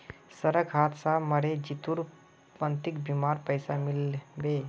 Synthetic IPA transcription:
səɾəɡɦat̪sãməɾed͡ʒit̪uɾ | pənt̪ikbimaɾpəjsamilbe

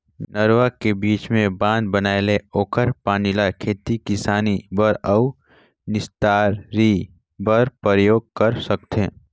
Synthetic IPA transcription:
nəɾʋakebiːt͡ʃmẽbãːnd̪bənaːeleoːkəɾpaːnilakʰeːt̪ikɪsaːnibəɾəu | nɪst̪aːɾːi | bəɾpəɾjoːɡ̚kəɾsɐk̚t̪ẽː

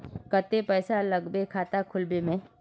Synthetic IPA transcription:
kət̪epɛːsaləɡbekʰaːt̪akʰʊlbemẽ

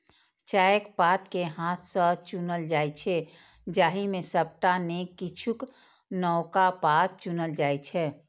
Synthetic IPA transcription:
t͡ʃaːjəkpaːt̪keɦãːt̪sət͡ʃunəld͡ʒaːjt͡ʃʰɛ | d͡ʒaːɦimẽsəp̚ʈanekit͡ʃʰuk | nɔʊkapaːt̪̚t͡ʃunəld͡ʒaːjt͡ʃʰɛː

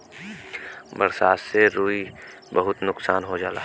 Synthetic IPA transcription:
bɐɾsaːsːeɾuːi | bɐɦʊt̪nʊksaːnɦod͡ʒaːla̰

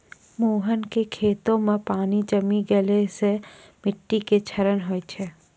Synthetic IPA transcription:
moːɦənkekʰeːt̪õmẽpaːnid͡ʒəmiɡelese | mɪʈːiket͡ʃʰəɾənɦoːjt͡ʃʰe

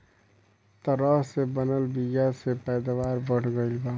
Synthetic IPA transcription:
t̪əɾəɦsebənəlbiɡasepɛːd̪aʋaːɾbəɽ̤ɡəɪlba

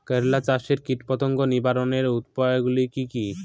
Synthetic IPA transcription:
kəɾlat͡ɕaʃeɾkiʈpɔt̪oŋɡonibaɾoneɾut̪pajɡulikiki

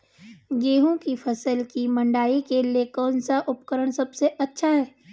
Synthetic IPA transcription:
ɡeːɦõkipʰɐsəlkimɐ̃ɳɖaːikeliekɔːnsaʔʊpkəɾəɽ̃sɐbseʔɐtːʃʰaɦɛː

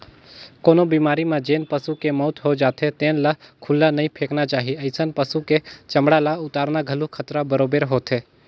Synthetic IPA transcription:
koːnobiːmaːɾimãd͡ʒeːnpəsukemɔːt̪ɦod͡ʒaːt̪ʰet̪ẽːnlakʰʊlːanɐĩpʰeːknat͡ʃaːɦiɐɪsənpəsuket͡ʃɐmɽalaʊt̪aːɾnaɡʱəlukʰət̪ɾabəɾoːbeɾɦoːt̪ʰeː

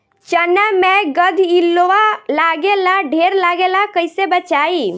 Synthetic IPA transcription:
t͡ʃənamẽɡəd̪ʱilːoʋalaɡelaɖʱeɾlaɡelakəjsebət͡ʃai

